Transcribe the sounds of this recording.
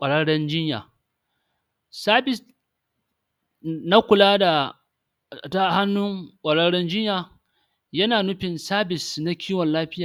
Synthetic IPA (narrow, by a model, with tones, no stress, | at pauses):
kʷʼɐ˨ɽɐ˦ɽɛ˦nd͡ʒɪ˦ɲja̰ː˨ | saː˦bɪ˨s | na˦kʷʊ˨laː˦da˨ | ta˦˨ha˦nːʊ˦ŋkʷʼɐ˨ɽɐ˦ɽɛ˦nd͡ʒɪ˦ɲjaː˨ | jɐ˦naː˨nʊ˦ɸɪ˨nsaː˦bɪ˨sna˦kʲiː˦wɔ˨nlaː˦ɸɪ˦jaː˨